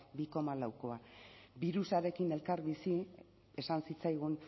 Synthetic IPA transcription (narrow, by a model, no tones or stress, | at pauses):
biko̞malawko̞abiɾusaɾe̞kine̞lkaɾβisi | e̞sansit͡sajɣ̞un